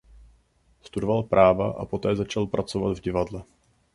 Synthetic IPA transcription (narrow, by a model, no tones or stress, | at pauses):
st̪udovalpɾʔaːvaʔa̰po̞t̪ɛːzat͡ʃalpɾat͡sovad̪vɟɪvadlɛ